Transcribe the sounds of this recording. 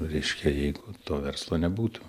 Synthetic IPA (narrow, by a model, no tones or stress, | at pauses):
ɾʲɛɪʃʲkʲɛjɛɪɡʊt̪oːʋʲɛrslˠoːnʲɛbuːt̪ʊ̥